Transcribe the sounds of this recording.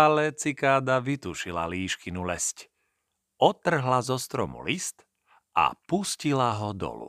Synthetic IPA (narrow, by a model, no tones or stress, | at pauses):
alɛt͡sikaːd̪aʋit̪uʃila̰liːʃkinulɛsc | ɔt̪r̩ɦlazɔst̪ɾɔmṵlist̪ | ʔa̰puscilaɦɔd̪ɔ̰lṵ